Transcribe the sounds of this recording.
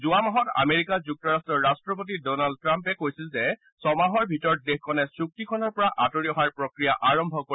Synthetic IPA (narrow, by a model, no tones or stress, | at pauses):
zuamaɦɔta̰meɹikazuk̚tɔɹastɹɔɹastɹɔp̬ot̬idɔnald̚tɹampɛkojsilzɛ | sɔmaɦɔɹbʱitɔɹ̚dexkʰɔnɛsɹuk̚tikʰɔnɔɹpɔɹaʔatoɹiɔɦaɹpɹokɹijaʔaɹɔmbʱɔko